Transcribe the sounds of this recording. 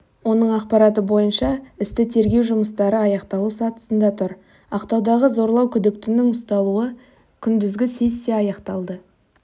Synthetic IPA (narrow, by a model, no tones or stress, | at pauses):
wo̞nəɴɑqpɑɾɑt̪̬əbo̞jənʃɑɪst̪ɪt̪ʰe̞ɾɡʲe̞wʒʊməst̪ɑɾəɑjɑqt̪ɑlˠusɑt̪ə̥sənd̪ɑt̪ʰʊɾ | ɑqt̪ɑwd̪ɑʁəzo̞ɾlˠɑwkʲʰʏd̪ɪk̚t̪ɪnɪŋʊst̪ɑlˠuə | kʲʰʏnd̪ɪzɡʲɪse̞sːeɑjɑqt̪ɑlˠd̪ə